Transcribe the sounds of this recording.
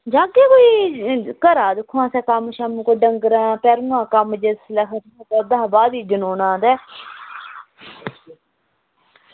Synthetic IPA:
d͡ʒãːkeːkoːiːkəɾaːd̪ɪkʰːuãːsɛːkəmʃamkoːɖəŋɡɾãːpɛːɾunãːkəmd͡ʒəslɛkʰət̪ːt̪oːd̪aːbaːd̪iːd͡ʒənoːnãːd̪ɛː

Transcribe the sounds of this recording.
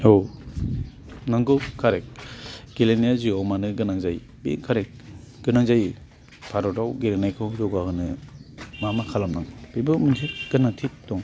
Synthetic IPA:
ow | naŋɡɯkʰaɾek̚ɡ̥elenijaziɔwmanɯɡɯnaŋzaj | bḭkʰaɾek̚ | ɡ̥ɯnaŋzaj | pʰaɾɔtawɡelenajkʰɯwzɔɡahɯnɯ | mamakʰalamnaŋb̥ibɯmɯnsiɡ̥ɯnaŋtʰit̚dɔŋ

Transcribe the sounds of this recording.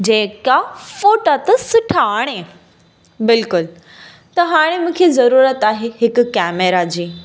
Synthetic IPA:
d͡ʑeːkafoːʈat̪ɐsʊʈʰaaːɽ̃e | bɪlkʊl | t̪ɐɦaːɽ̃emũːkʰezɐɾuːɾət̪aːɦeɦɪkʊkɛːmeɾad͡ʑiː

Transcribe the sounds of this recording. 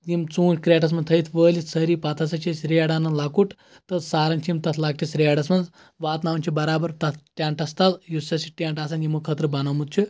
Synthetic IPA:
jimt͡sũːt͡ʃʲkɾʲaʈɐs̬mɐnt̪ʰɐit̪ʰʋəːlʲit̪səɾipat̪ʰɐsɐt͡ʃʰisɾijaɽaːnɐnlakuʈ | t̪ɐsaːɾɐnt͡ʃʰimt̪ɐt̪ʰlaːɡ̚t̪ʰisɾiaɖɐsmɐnd͡z | ʋaːt̪naʋwnʲt͡ʃʰibɐɾaːbɐɾt̪ɐt̪ʰʈʲaɳʈɐst̪azjusɐsiʈʲaɳʈas̬anjimɨkʰət̪ɾəbɐnamut̪̚t͡ʃʰu

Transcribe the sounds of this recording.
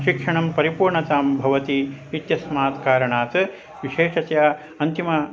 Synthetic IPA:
ʃikʂɐɳɐmpɐɾipuːɾɳɐt̪aːmbʱɐʋɐt̪iːt̪jɐsmaːt̪kaːɾɐɳaːt̪ɨ | ʋiʃeːʂɐsja | ɐnt̪imɐ

